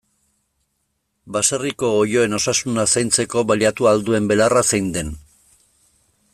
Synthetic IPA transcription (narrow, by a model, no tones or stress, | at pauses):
baseriko̞ːjo̞e̞no̞sasunasajnt͡se̞ko̞βaliat̪uald̪ue̞mbe̞larasejnd̪e̞n